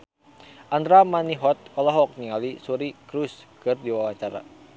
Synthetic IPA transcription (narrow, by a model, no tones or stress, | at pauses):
ʔand̪ɾamaniɦɔt̪̚kɔlɔɦɔk̚niŋalisuɾikɾuskɨrdiwawaɲt͡ʃaɾa̰